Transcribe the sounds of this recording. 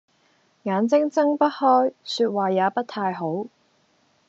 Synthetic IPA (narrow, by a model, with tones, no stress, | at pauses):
ŋaː˨˧nt͡sɪ˥ŋt͡sɐ˥ŋpɐ˥t̚hɔː˥jsyː˧t̚waː˨˩jaː˨˧˥pɐ˥t̚t̪ʰaː˧jɦo˨˥w